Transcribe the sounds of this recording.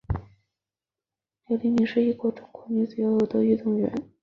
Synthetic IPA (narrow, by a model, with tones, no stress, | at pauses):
le˧˥ɪli˧˥mi˧˥ʂɻ̩˥˧i˥˩kwɔ˧˥ʈ͡ʂʊ˧˥˩ŋkʰɔ˧˩ni˧˥t͡sɹ̩˨˩jo˧ʊjo˨˩t̪wɔ˥y˥˧t̪ʊ˥˩ŋɥɛ̰˧˥n